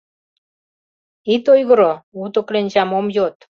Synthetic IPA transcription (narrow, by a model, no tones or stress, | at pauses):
it̪ojɣə̆ɾout̪ŏklenʲt͡ɕɑmomjot̪